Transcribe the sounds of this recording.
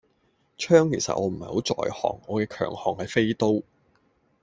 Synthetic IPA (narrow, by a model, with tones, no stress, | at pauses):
t͡ʃʰœː˥ŋke˨˩sɐ̰˨t̚ʔɔː˨˧m̩˨˩hɐ˨jho˨˥wt͡sɔ̰ː˨jhɔ̰ː˨˩ŋɔː˨˧kɛː˧kʰœ̰ː˨˩ŋhɔː˨˩ŋhɐ˨jfe˥jt̪o˥w